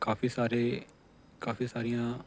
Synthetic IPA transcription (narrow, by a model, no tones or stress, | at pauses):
kaːfiːsaːɾeː | kaːfiːsaːɾɪjãː